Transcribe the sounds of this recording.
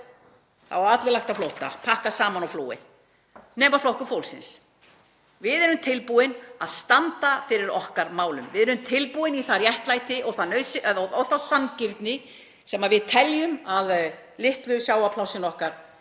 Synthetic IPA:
θa̰vaat̪lɪlaht̪aflowht̪a̰pʰahkasaːmanɔwfloːwɪ̰θ | nɛːmaflowhkʏfoːwlsɪ̰ns | vɪðɛɾʏmt̪ʰɪlpuɪnaðst̪ant̪afɪɾɪɾɔhkaɾmaːwlʏmvɪðɛɾʏmt̪ʰɪlpuɪniθaɾjɛht̪laːjt̪ɪʔɔθanœːɥsɪʔɔɔwθasancɪɾt̪nɪ | sɛmavɪðt̪ʰɛljʏmað | lɪht̪lʏsjaːwapʰlawsɪnɔhkaɾ̥

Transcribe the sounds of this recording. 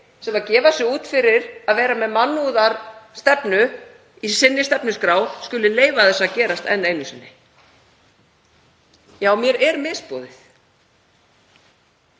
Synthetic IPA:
sɛmacɛːvasɪuːt̪fɪɾɪɾaðvɛːɾamɛðmanːuːðaɾst̪ɛpnʏ | isɪnːɪst̪ɛpnʏskɾaːwscʏlɪleːjvaθɛsːaðcɛːɾast̪ɛ̰nːeːjnʏsɪnːɪ | jaːwmjɛɾɛɾmɪspɔːðɪθ

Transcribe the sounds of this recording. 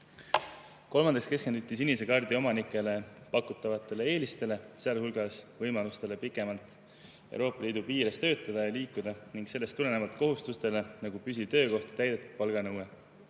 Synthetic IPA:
ko̞lmɑnd̪ɑkske̞skend̪ut̪ʲˑːisinis̬ekɑrd̪̥io̞mɑnikːˑe̞le̞pɑkut̪ːˑɑvɑt̪ːˑe̞le̞e̞ːlist̪e̞le̞seɑlhulɡ̥ɑsvɤjmɑlust̪e̞le̞pikːˑe̞mɑlt̪ˑ | e̞̰w̰ɾo̞ːpːˑɑliːd̪upiːɾest̪ø̞ːt̪ːˑɑd̪̥ɑjɑliːkːud̪̥ɑniŋɡ̥se̞lːest̪ːule̞nevɑlt̪ko̞ɦust̪ust̪e̞le̞nɑɡ̥upys̬ʲit̪ø̞ːko̞ht̪i̥t̪æjd̪̥e̞t̪ːˑu̥d̪̥̚pɑlɡ̥ɑnɤwe

